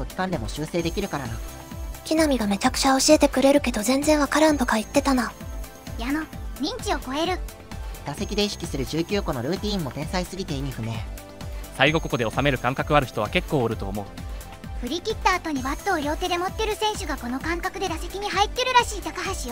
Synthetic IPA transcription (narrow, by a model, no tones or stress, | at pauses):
ɡokʲi̥kãnd̪e̞mo̞ɕɨːse̞ːd̪e̞kʲiɾɯ̟kaɾana | kʲinamʲiɡame̞t͡ɕakɯ̟̥t͡ɕaoɕiet̪e̞kɯ̟ɾe̞ɾɯ̟ke̞d̪o̞zẽ̞nd͡zẽ̞ɰ̃βakaɾɯ̃nt̪o̞kait̪ːe̞t̪ana | janoɲ̟ĩɲ̟t͡ɕio̞ko̞e̞ɾɯ̟ | d̪̥ase̞kʲid̪e̞iɕi̥kʲi̥sɨɾɯ̟ʑɨːkʲɨːko̞no̞ɾɯ̟ːt̪ʲĩːmːo̞t̪ẽ̞ɰ̃saisɨɡʲit̪e̞imʲiɸɯ̟me̞ː | saiɡo̞ko̞kod̪e̞o̞same̞ɾɯ̟kãŋkakɯ̟aɾɯ̟çi̥t̪o̞βake̞kːo̞ːɾɯ̟t̪o̞̰ːmo̞ɯ̟ | ɸɯ̟ɾʲikʲit̪ːaːt̪o̞ɲ̟ibat̪ːo̞ːɾʲjo̞ːt̪e̞d̪e̞mo̞t̪ːeɾɯ̟sẽ̞ɰ̃ɕɨɡako̞no̞kãŋkakɯ̟d̪e̞d̪ase̞kʲiɲ̟iɦait̪ːe̞ɾɯ̟ɾaɕiːt̪akaɦaɕi